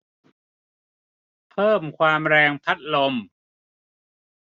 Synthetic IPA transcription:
pʰɤː˥˩mkʰwaː˧mɾɛː˧ŋpʰa˦˥t̪̚lo˧m

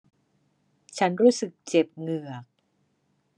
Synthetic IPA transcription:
t͡ɕʰa˦˥nɾuː˦˥sɯ˨˩k̚t͡ɕe˨˩p̚ŋɯ˨˩ɐk̚

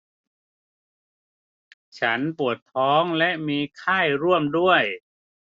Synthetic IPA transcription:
t͡ɕʰa˦˥npu˨˩ət̪ʰːɔː˦˥ŋlɛ˦˥ʔmiː˧kʰaː˥˩jɾu˥˩əmdu˥˩əj

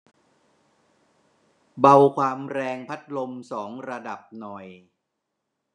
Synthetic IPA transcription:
ba˧wkʰwaː˧mɾɛː˧ŋpʰa˦˥t̪̚lo˧msɔː˩˦ŋɾa˧da˨˩p̚nɔ˨˩j

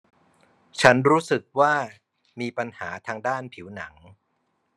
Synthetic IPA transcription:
t͡ɕʰa˦˥nɾuː˦˥sɯ˨˩k̚waː˥˩ | miː˧pa˧nhaː˩˦t̪ʰaː˧ŋdaː˥˩npʰi˩˦wna˩˦ŋ

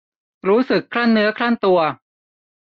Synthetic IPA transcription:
ɾuː˦˥sɯ˨˩kʰːla˥˩nːɯ˦˥ɐkʰɾa˥˩nt̪u˧ɐ

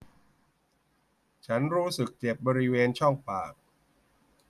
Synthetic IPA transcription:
t͡ɕʰa˦˥nɾuː˦˥sɯ˨˩k̚t͡ɕe˨˩p̚bɔː˧ɾi˦˥weː˧nt͡ɕʰɔ˥˩ŋpaː˨˩k̚

